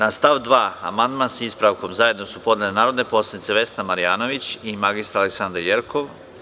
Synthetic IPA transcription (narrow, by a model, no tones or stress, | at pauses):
nast̪aʋd̪ʋaːa̰mand̪mansispɾaʋko̞mzajed̪no̞supo̞d̪nelenaːɾo̞d̪ne̞po̞slˠad̪nit̪se̞ʋe̞snamaɾijaːno̞ʋit͡ɕimaɡist̪ɾaleksand̪ɾaɾjeɾkʰoʋ